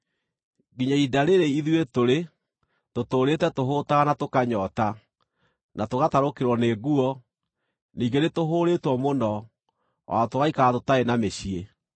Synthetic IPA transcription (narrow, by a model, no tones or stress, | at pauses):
ɡiɲaidaɾeɾeiðuetoɾe | totoːɾetɛtoɦoːtaɣanatokaɲɔːta | nʔatoɣataɾokeɾwɔneɡuɔ | niːɡenetoɦoːɾetwɔmonɔ | wa̰ɔtoɣaikaatotaenameɕie